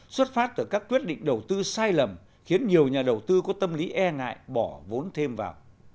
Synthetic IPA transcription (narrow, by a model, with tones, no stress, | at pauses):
swə˦˥t̚faː˦˥t̚t̪ɨ˧˩kaː˦˥k̚kwi˦˥ət̚ɗḭ˧˨ŋ̟ɗə˨˩wt̪ɨ˧saː˧jlə˨˩m | xi˨˦ənɲi˨˩əwɲaː˨˩ɗə˨˩wt̪ɨ˧kɔ˨˦t̪ə˧mli˨˦ʔɛ˧ŋa̰ː˧˨jɓɔ˧˩vo˨˦nt̪ʰe˧mva̰ː˨˩w